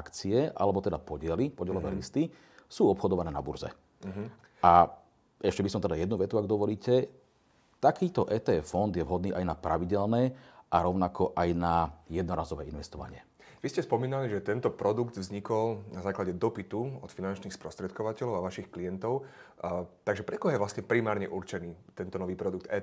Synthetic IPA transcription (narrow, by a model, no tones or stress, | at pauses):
akt͡siɛʔa̰lɛbɔt̪ɛd̪apɔɟɪɛlipɔɟɛlɔʋɛːlist̪i | suːɔpxɔd̪ɔʋanɛːna̰bṵɾzɛ̰ | ɦ | ʔa | ɛʃcɛbisɔmt̪ɛd̪ajɛd̪nuʋɛt̪uaɡd̪ɔʋɔliːcɛ | t̪akiːt̪ɔʔɛːt̪ɛːɛfɔnd̪jɛʋɦɔd̪niːʔajnapɾaʋiɟɛlnɛːʔaɾɔʊnakʰɔʔajnajɛd̪nɔɾaːzɔʋɛ̰ːinʋɛst̪ɔʋa̰ɲɪɛ | ʋiscɛspɔmiːnaliʒɛt̪ɛnt̪ɔpɾɔd̪uɡd̪vzɲikɔlnazaːklaɟɛd̪ɔpit̪uɔt̪finant͡ʃniːxspɾɔst̪ɾɛt̪kɔʋacɛlɔʊaʋaʃixklijɛnt̪ɔʊ | t̪aɡʒɛpɾɛkɔɦjɛʋlasɲɛpɾimaːɾɲɛʔuɾt͡ʃɛniːt̪ɛnt̪ɔnɔʋiːpɾɔd̪uɡk̚t̪ɛː